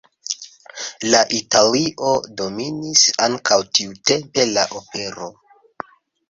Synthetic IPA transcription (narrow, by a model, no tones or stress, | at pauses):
laʔitaliʔo̞do̞minisaŋkʰawtiute̞mpe̞laʔo̞pe̞ɾo̞